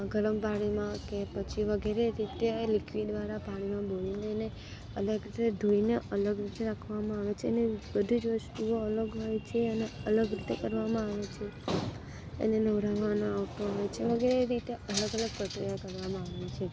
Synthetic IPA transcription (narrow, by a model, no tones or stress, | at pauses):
ɡəɭəmpaɽ̃imãkepət͡ʃʰiʋəɡeɾeɾit̪elikʋid̪ʋaɾapaɽ̃imãbolineːne | ələɡɾit̪ed̪ʱuineʔələɡɾit̪eɾakʰʋamãaʋet͡ʃʰeːnebəd̪ʱid͡ʒʋəst̪ioələɡɦojt͡ʃʰeəneələɡɾit̪ekəɾʋamãaʋet͡ʃʰe | ḛnenəʋɾaʋanoaʋʈoɦojt͡ʃʰeʋəɡeɾeɾit̪eʔələɡələɡ̚pɾəkɾijakəɾʋamãaʋet͡ʃʰe